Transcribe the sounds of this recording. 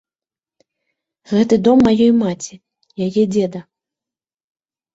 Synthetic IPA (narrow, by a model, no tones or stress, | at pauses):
ɣɛt̪ɨd̪ɔmːajɔjmat͡sʲi | jajɛd͡zʲɛd̪ɐ